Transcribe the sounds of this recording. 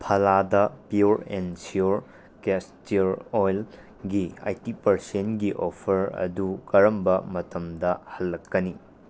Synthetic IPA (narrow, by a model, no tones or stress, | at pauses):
pʰɐladɐpiuɾḛnsiuɾ | kestiuɾojl | ɡia̰jtipɐɾsenɡiʔopʰɐɾɐ̰dukɐɾɐmbɐmɐtɐmdɐhɐlːɐkːɐni